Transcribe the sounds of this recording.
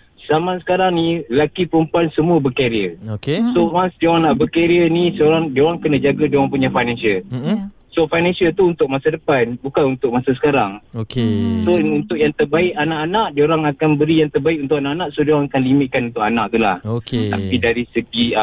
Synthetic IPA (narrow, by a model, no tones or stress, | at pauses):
samãsə̥kaɾaŋnĩlakipəɾəmpuansəmũəbəkeɾiəokesowansdioanaʔbəkeɾiənisəoɾaŋdioɾaŋkənad͡ʒaɡadioaŋp̬uɲafajnãnsəl | sofajnãnsiəlt̪uunt̪ʊk̚masadəpanbukanunt̪ʊk̚masasə̥kaɾaŋokesount̪ʊʔjaŋt̪ərbaɪkanaʔanaʔdioɾaŋakanbəɾijaŋt̪ərbaɪk̚unt̪ʊʔanaʔanaʔsodiaŋakanlimɪt̪̚kanunt̪ʊʔkanaʔ̚t̪ulahkt̪a̰pidaɾisəɡi